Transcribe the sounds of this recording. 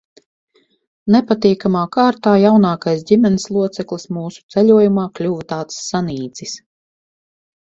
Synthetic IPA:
nɛpat̪iːkamaːkaːɾt̪aːjawnaːkajsdʲimʲɛnislˠuɔt̪sɛklˠismuːsu̥t̪sɛʎʲuɔjumaːklʲuvt̪aːt̪ssːaniːd̪z̥is

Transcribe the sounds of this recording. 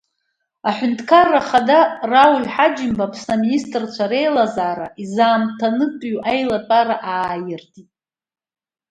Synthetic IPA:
aħʷᶣʊntʰkʰarːaχadarawlħad͡ʒɪmbapʰsaministʼrt͡ɕʷʰaɾe̞jlazaːɾaʔizaːmtʰanɨkʼɥʔajlapʼaɾaʔaːjɪrtʰitʼ

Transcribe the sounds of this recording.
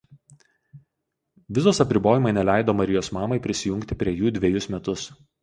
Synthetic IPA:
ʋʲɪzoːsɐpʲɾʲɪboːjɪmɐɪnʲɛlʲæˑɪd̪oːmɐɾʲɪjoːsmɑːmɐɪpʲɾʲɪsʲɪjʊŋʲkt̪ʲɪpʲɾʲiɛjuːd̪ʲʋʲɛjʊsmʲɛt̪ʊs

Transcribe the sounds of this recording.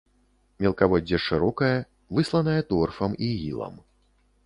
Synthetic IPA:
mʲɛlˠkavɔdʲːɐʂɨɾɔkɐjɐ | vɨslˠɐnɐjɐt̪ɔrfɐmiɣʲḭlˠɐ̰m

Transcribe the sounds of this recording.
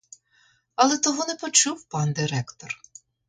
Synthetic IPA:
ɐlˠɛt̪ɔɦunɛpɔt͡ʃuwpɑnd̪ɪɾɛkt̪ɔr

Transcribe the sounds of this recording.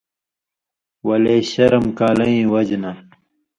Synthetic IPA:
wɐleːɕɐɾɐmkaːlɐĩːwɐd͡ʑna

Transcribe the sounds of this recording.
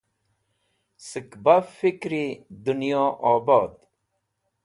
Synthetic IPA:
səkbafikɾid̪unjoːʔɔːbɔːd̪

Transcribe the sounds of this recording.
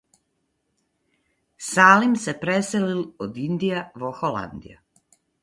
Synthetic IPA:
saːlimsepɾeselilod̪ind̪ijaʋoxola̰nd̪ḭja̰

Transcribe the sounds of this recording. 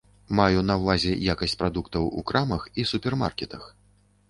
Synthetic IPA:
majunɐwvˠazʲɛjakɐsʲt͡sʲpɾad̪ukt̪ɐwṵkɾamɐxisupʲɛrma̰rkʲɛt̪ɐx

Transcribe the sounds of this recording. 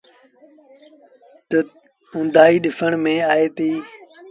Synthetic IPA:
t̪ə | ʊ̃nd̪ʱaːiːɗɪfəɳ̃mẽːaːɦeːt̪iː

